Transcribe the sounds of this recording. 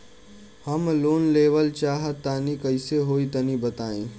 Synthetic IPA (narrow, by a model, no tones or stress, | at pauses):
həmloːnleːʋəlt͡ʃaːɦət̪ːaːnikəɪseɦoːit̪ɐnibət̪aːḭ̃ː